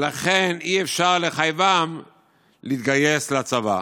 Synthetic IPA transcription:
laχeniefʃaʁle̞χajvam | lit̪ɡaje̞slaat͡sava̰

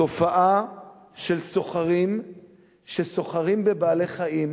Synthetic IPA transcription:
to̞faʔa | ʃelso̞χaʁim | ʃeso̞χaʁimbebaːleχaim

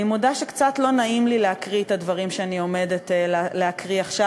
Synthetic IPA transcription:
imodaʃekt͡satlo̞naimlileakʁietadvaʁimʃeanio̞me̞detelleakʁiaχʃa

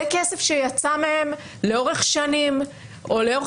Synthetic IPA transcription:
kesefʃejat͡samehe̞m | le̞o̞ʁe̞χʃanim | o̞leo

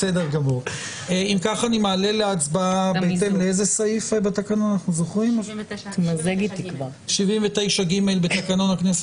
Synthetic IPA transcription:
sedeʁɡamuʁ | eimkaχanimealeleat͡sbaaabeet̪emleezesaifebat̪akanonanaχnuzoχʁimt̪mazeɡit̪ikva | ʃivimvete̞jʃaɡimelbet̪akano̞naknese

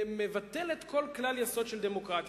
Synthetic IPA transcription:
mevat̪elet̪kʰo̞lklaljaso̞d̪ʃeld̪emo̞kʁat̪

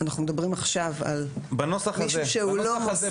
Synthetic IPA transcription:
anaχnumedabʁimaχʃava̰lbanosaχʃʃeulom

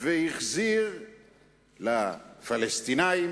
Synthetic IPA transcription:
vehiχziʁ | lafalest̪inaim

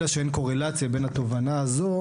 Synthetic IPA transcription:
aʃeenko̞ʁe̞lat͡sjabe̞nhat̪o̞vanaːzo̞

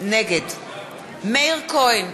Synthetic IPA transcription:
nɛɡɛd | melkʰɔjn

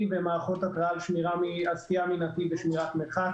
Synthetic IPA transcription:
vemaːχo̞t̪akʁaalʃmiʁamiasijaminat̪iveʃmiʁat̪meχa

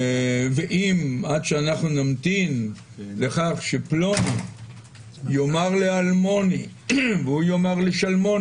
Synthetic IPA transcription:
veʔimad̪ʃeanaχnunamt̪in | le̞χaχʃeplo̞ni | jo̞maʁlealmo̞ni | veujomaʁleʃalmo̞

